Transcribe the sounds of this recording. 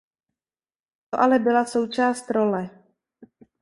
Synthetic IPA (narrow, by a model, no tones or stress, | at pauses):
t̪oʔalɛbɪlaso̞wt͡ʃaːst̪ɾo̞lɛ